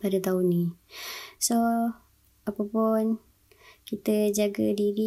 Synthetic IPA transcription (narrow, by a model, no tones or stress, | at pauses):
padat̪aʊnːi | so | apapun | kit̪əd͡ʒaɡədiɾi